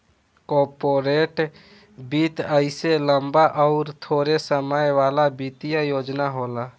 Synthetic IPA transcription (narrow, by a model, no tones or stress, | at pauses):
kɔːɾpoːɾeːʈ | bit̪əɪseləmbaʔɔʊɾt̪ʰoːɾesəməjʋaːlabit̪ijajoːd͡ʒnaɦoːla